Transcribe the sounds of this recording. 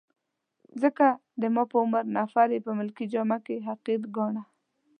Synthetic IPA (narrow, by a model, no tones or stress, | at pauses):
zəkad̪əmɑpəʊmaɾnafaɾepəmʊlkid͡ʒɑmakeɦaqid̪ɡɑɳa